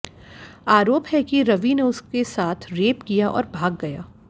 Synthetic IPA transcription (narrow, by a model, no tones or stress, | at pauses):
aːɾoːpɦɛkiɾɐʋineʊskesaːt̪ʰɾeːpkijaʔɔ̰ːɾbʱaːɡːɐjaː